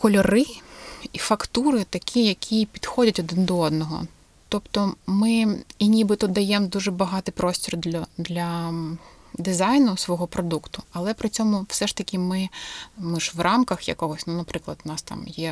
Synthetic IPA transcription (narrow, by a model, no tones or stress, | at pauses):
kɔlʲɔɾɪifɐkt̪uɾɪt̪ɐkʲʰijɐkʲʰipʲid̪xɔdʲɐtʲɔd̪ɪnd̪ɔɔd̪nɔɦɔ̰ | t̪ɔpt̪ɔmɪinʲibɪt̪ɔd̪ɐjɛmd̪uʒɛbɐɦɑt̪ɪjpɾɔsʲtʲɔrd̪ʲd̪lʲɐ | d̪ɪzɑjnʊsʋɔɦɔpɾɔd̪ukt̪ʊɐlˠɛpɾɪt͡sʲɔmʊwsɛʃt̪ɐkʲimɪmʊʒʋrɑmkɐxjɐ̰kɔɦɔsʲnunɐpɾɪklˠɐd̪ʊnɑst̪ɑ̰mjɛ